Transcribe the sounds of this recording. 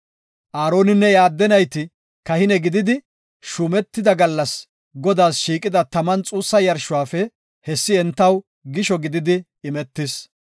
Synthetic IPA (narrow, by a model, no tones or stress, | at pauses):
ʔaːɾo̞ːnɪnːɛjaːd̪ːɛnɐjt̪ɪ | kɐhɪnɛɡɪd̪ɪd̪ɪ | ʃʊmɛt̪ːɪd̪ɐɡɐlːɐs | ɡɔd̪aːsʃiːkʼɪd̪ɐt̪ɐmɐnt͡sʼuːsːɐjɐɾʃʊwaːfɛ | hɛsːɪɛnt̪ːɐw | ɡɪʃɔɡɪd̪ɪd̪ɪ | ɪmɛt̪ːɪs